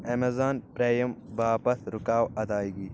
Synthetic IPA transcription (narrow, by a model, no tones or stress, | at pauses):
ɐmɐzaːnpɾeːjɐmbaːpɐsɾukaːwɐd̪aːiɡiː